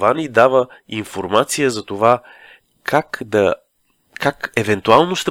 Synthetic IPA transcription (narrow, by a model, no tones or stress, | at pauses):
vanid̪avəinfoɾmat̪sijəzɐt̪ova | kʰakd̪ɐ | kakɛvɛnt̪ualˠnoʃt̪ɛ